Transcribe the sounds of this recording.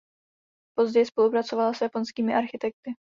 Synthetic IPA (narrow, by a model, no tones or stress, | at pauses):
po̞zɟɛjspo̞lupɾat͡so̞valasjapo̞nskiːmɪʔaɾxɪt̪ɛk̚t̪ɪ